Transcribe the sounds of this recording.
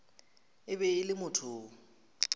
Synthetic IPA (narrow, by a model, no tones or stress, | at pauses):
ɪbɛɪlɪmʊtʰʊː